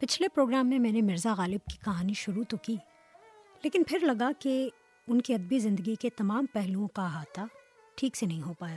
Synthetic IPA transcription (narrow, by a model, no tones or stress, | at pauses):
pɪt͡ʃʰlepɾoːɡɾaːmːẽmɛ̃ːnemɪɾzaɣaːlɪb̚ki̥kɐɦaːniʃʊɾut̪okiː | leːkɪnpʰɪɾlɐɡake | ʊnkiɐd̪̚bizɪ̃nd̪əɡiket̪ɐmaːmpɛɦluõkaɦaːt̪ʰa | ʈʰiːksenɐɦĩɦoːpaːjaː